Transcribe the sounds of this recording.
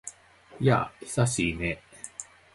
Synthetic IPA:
ja̰çi̥saɕiːne

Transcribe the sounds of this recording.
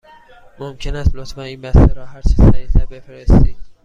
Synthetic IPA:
momcʰe̞næst̪lot̪ʰfæniːnbæst̪eɾɒːhæɾt͡ʃʰisæjisæɾbe̞feɾest̪iːd̪̥

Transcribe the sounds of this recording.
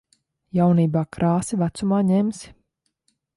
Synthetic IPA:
jawniːbaːkɾaːsivæt̪sumaːɲɛms

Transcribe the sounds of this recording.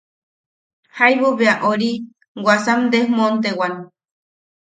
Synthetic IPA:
hajβuβeaʔoɾi | wʷasamd̪ehmont̪̬ewan

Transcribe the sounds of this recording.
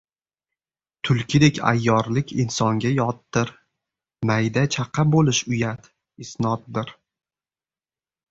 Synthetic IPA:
t̪ʰʊlˠkʲɪd̪e̞kʲa̰jːɒɾlɪkʲʰɪnsɒŋɡʲajɒt̪ːɪɾ | majd̪at͡ʃʰaqʰːɑbolɪʃʊjat̪ | ɪsnɒt̪̚d̪ɪɾ

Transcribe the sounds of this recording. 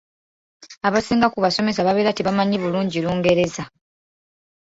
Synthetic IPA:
aβasiːŋɡakuβaso̞me̞s̬aβaβe̞ːɾatiβamaɲiβuluːɲɟiluːŋɡe̞ɾe̞za

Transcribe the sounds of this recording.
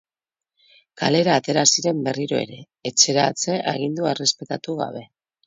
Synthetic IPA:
ka̰le̞ɾaːt̪e̞ɾasiɾe̞mbe̞riɾo̞e̞̰ɾe̞ːt͡se̞ɾat͡se̞ʔa̰ɣ̞ind̪uare̞spe̞t̪at̪uɣa̰β̞e̞

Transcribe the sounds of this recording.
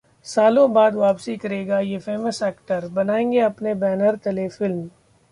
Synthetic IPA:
saːlõbaːd̪ʋaːpsikɐɾeːɡajefeːməsɛːkʈəɾbɐnaːẽːŋɡeɐpnebɛːnəɾtɐlefɪlm

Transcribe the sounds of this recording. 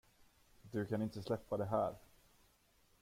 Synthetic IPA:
d̪ɵkʰanɪnt̪əslɛpːad̪ɛɦæːɾ

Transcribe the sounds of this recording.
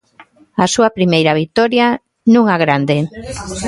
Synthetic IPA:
asuapɾimejɾaβ̞ik̚t̪ɔɾja | nũŋaɣɾand̪e

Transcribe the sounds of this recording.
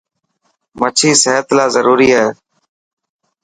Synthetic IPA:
mət͡ʃʰiːseːət̪laːzəɾuːɾiːaeː

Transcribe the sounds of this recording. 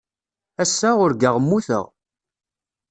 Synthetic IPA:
æsːaʊɾɡəʁmːuθə̰ʁ

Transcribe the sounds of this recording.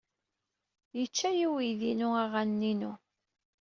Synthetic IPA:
jət͡ʃːæjiwiðinuæʁanːinu

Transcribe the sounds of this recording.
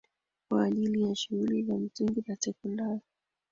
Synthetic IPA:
kwaːʄilijaʃuɣulizam̩siŋɡizatɛkundajɔ

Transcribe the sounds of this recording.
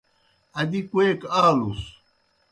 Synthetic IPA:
ad̪ikwekalus

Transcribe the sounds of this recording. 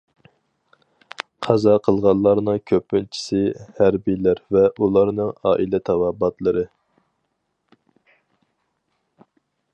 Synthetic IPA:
qʰɑzɑqʰəlˠʁɑlˠːɑɾnɨŋkʲʰøpːylt͡ʃʰi̥sɪhæɾbijlæɾvɛʔulˠɑɾnɨŋɑ̰ːʔilɛt̪ʰɑwɑbɑt̪lˠəɾɨ

